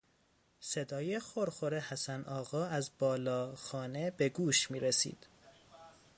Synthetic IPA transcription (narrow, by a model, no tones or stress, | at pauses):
se̞d̪ɒːjexoɾxoɾehæsænʔɒːɣɒːæzbɒːlɒːxɒːne̞be̞ɡuːʃmiːɾesḭːd̪̥